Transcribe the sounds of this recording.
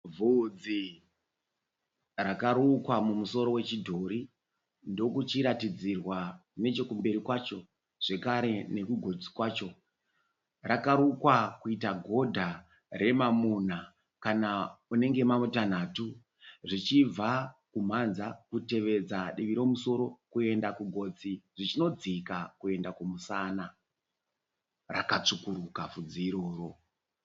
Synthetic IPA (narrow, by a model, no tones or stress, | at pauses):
vʱud͡zi | rakaɾukwamumuso̞ɾo̞we̞t͡ʃidʱo̞ɾi | ndo̞kut͡ʃiɾatid͡zirwakune̞t͡ʃe̞kumbe̞ɾikwat͡ʃo̞ | ʐ̥e̞kaɾe̞ne̞kuɡʱo̞d͡zikwaːt͡ʃo̞ | rakaɾukwakuitaɡʱo̞dʱa | ɾe̞mamun̤a | kanaune̞ŋɡe̞mamutan̤atu | ʐit͡ʃib͡vakum̤anzakute̞ʋe̞d͡zaɗiʋiɾo̞muso̞ɾo̞kue̞ndakuɡʱo̞d͡ziʐ̥it͡ʃino̞d͡zikakue̞ndakumusana | rakat͡ʂukuɾukafud͡ziɾo̞ːro̞